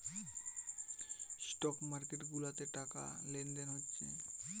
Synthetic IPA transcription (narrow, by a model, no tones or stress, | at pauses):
sʈɔkmaɾkeʈɡulat̪eʈaka̰lend̪enɦotːɕʰḛ